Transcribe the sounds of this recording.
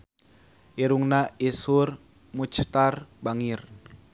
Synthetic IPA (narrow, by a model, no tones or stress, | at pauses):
ʔeɾuŋnaʔesur | mut͡ʃʰt̪arbaŋir